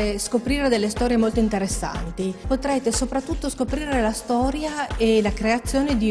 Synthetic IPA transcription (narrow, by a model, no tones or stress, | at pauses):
eskopɾiːɾed̪elːest̪ɔːɾjemolt̪oint̪eɾesːa̰nt̪ipot̪ɾɛːt̪esopɾat̪ːut̪ːoskopɾiːɾelast̪ɔːɾjaelakɾeat̪sːjoːned̪i